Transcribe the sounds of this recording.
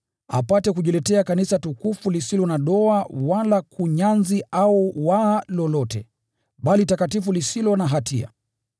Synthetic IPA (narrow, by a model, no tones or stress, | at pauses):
a̰patɛkuʄulɛtɛakanisatukufulisilɔnaɗɔawalakuɲanziauwalɔlɔtɛ̰ | ɓalitakatifulisilɔnaɦatʰia̰